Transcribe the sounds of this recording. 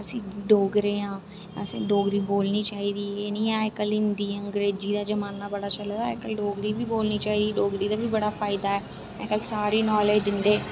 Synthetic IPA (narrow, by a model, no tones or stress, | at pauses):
əsĩːɖoːɡɾeːãː | sẽːɖoːɡɾiːboːlniːt͡ʃaːɦiːd̪iːeːnĩːaːjkəlɪnd̪iːəŋɡɾeːd͡ʒiːd̪aːd͡ʒəmaːnːaːbəɽaːt͡ʃəld̪aaːɪkəlɖoːɡɾiːbʱiːboːlniːt͡ʃaːɦiːd̪iːɖoːɡɾiːd̪aːbʱiːbəɽaːpʰaːɪd̪aːɛː | aːɪkəlsaːɾiːnɔːleːd͡ʒ̪ɪnd̪eː